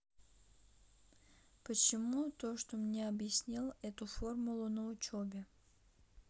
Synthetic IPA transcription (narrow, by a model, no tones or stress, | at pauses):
pət͡ɕɪmut̪o̞ʂt̪omnʲeɐbjɪsʲnʲilˠɛt̪ʊfo̞rmʊlˠʊnəʊt͡ɕobʲɪ